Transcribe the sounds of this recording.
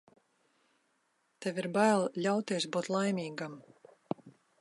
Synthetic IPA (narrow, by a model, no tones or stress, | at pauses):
t̪ɛviɾbajlˠlʲawt̪iɛsbuːt̪lˠajmʲiːɡam